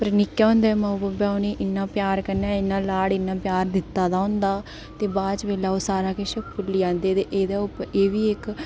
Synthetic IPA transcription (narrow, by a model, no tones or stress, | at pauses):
pəɾnɪkːjaːɦõːnd̪ɛːməʊbəbaːʊneːʔɪnːaːpjaːɾkəɾnaːɪnːãːlaːɽɪnːãːpjaːɾd̪ɪt̪ːaːd̪aːɦʊ̃nd̪aː | t̪eːbaːt͡ʃʋeːlaːoːsaːɾaːkeʃəkpʊlːiãːnd̪eːt̪eːʔeːd̪aːʊpeːʋiːɪk